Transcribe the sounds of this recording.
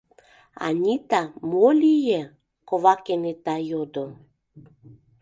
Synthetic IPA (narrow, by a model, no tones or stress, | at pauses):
a̰nʲit̪amolije | kovakenet̪ajod̪o